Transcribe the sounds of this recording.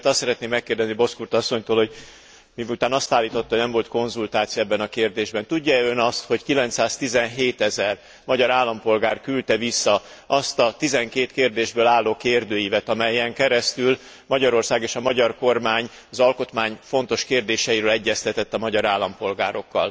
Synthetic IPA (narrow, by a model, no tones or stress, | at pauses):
t̪ɒssɛɾɛt̪neːmːɛkːeːrd̪ɛznibo̞skurt̪ɒsːo̞ɲt̪oːlho̞ɟ | miut̪aːnɒst̪aːlːiːt̪o̞t̪ːɒɦonɛmvo̞lt̪ko̞nzult̪aːt̪sijɒɛbːɛnɒkeːrd̪eːʒbɛnt̪uɟːɒɛønɒst̪ho̞ckilɛnt̪saːst̪izɛnɦeːt̪ɛzɛr | mɒɟɒɾaːlːɒmpo̞lɡaːrkylt̪ɛvisːɒ | ʔɒst̪ɒt̪izɛŋkeːt̪keːrd̪eːʒbøːlaːlːoːkeːrd̪øːjivɛt̪ɒmɛjːɛŋkɛɾɛst̪yl | mɒɟɒɾo̞rsaːɡeːʃɒmɒɟɒrko̞rmaːɲ | ɒzɒlko̞t̪maːɲfo̞nt̪o̞ʃkeːrd̪eːʃɛjiɾøːlɛɟːɛst̪ɛt̪ɛt̪ːɒmɒɟɒɾaːlːɒmpo̞lɡaːɾo̞kːɒ̰l